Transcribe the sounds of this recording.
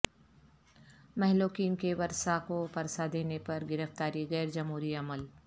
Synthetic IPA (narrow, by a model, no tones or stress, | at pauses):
mɛɦlokiːmkeʋɐɾsakopɐɾsad̪eːnepɐɾɡɪɾəft̪aːɾiɣɛːɾd͡ʒɐmɦuːɾiɐməl